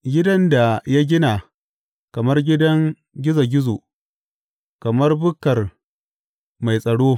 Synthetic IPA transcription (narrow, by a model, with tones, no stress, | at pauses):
ɡʲɪ˦dɐ˦nda˨ja˦ɡʲɪ˦na˨ | kɐ˨mɐ˦rɡʲɪ˦dɐ˦ŋ | ɡʲɪ˦za˨ɡʲɪ˦zo̰ː˨ | kɐ˨mɐ˦rbʊ˦kɐ˨r | ma˨jsʼɐ˨ɽoː˦